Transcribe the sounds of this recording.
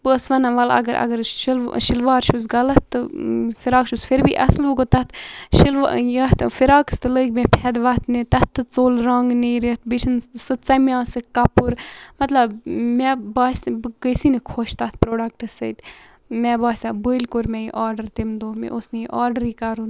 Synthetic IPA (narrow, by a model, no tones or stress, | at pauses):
bəːsʋɐnaʋɐlɐ̰ɡəɾʔɐ̰ɡəɾʃilʃilʋaːɾʃus̬ɡɐlɐt̪ːɨfiɾaːkʃusfʰiɾbḭːʔɐ̰slʋuɡot̪ɐt̪ʃilʋjɐt̪fiɾaːkst̪ɨləkmɛ̃pʰɛd̪ʋɐt̪nit̪ɐt̪ːɨt͡soːlɾaːŋɡniɾit̪biʃʰinsɨt͡samʲjãːsɨkɐpuɾmɐt̪lɐbmɛbaːsbɡəjsinikʰoʃt̪at̪̚pɾoːɖɐk̚ʈɨsəjt̪ | mɛːbaːsʲabəilkoɾmɛjiʔaːɾɖəɾt̪imd̪oːmḛʔosnijiʔaːɾɖəɾiːkɐɾun